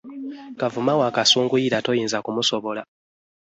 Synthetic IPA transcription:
kavumawaːkasuːŋɡujiɾato̞jiːnzakumusoβo̞la

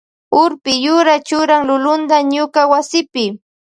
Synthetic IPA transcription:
ʊɾpɪjʊɾat͡ʃʊɾaŋlʊlʊnd̪aɲʊkawasɪpɪ

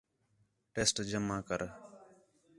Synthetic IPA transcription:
ʈeːsʈd͡ʒəmaːkəɾ

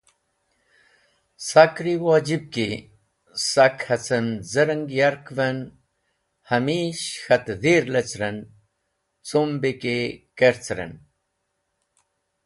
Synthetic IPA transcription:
sakɾiwaːd͡ʑib̚ki | sakhɐt͡sɐnzəɾəŋɡjaɾkvɐn | hɐmiːɕxɐt̪ðiɾlɐt͡sɾɐn | t͡sombikekeɾt͡sɾɐ̰n

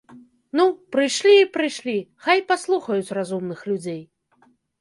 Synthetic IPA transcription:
nupɾɨjʂlʲiːpɾɨjʂlʲixajpaslˠuxɐjut͡sʲrazumnɨxlʲud͡zʲej

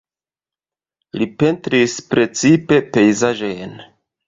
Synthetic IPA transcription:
lipe̞ntɾispɾe̞t͡sipe̞pe̞jzaʒojn

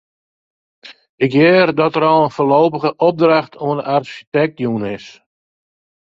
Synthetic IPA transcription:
ɪkjɛːrdɔtəɾɔlˠənfoːloːpəɣəʔɔp̚draχtʰoənarʃitɛk̚tjuːnɪs

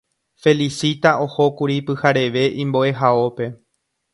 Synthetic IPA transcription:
fe̞lisit̪aʔo̞ho̞kuɾipɨhaɾe̞ʋe̞ʔĩmbo̞ʔe̞ɦao̞pe̞

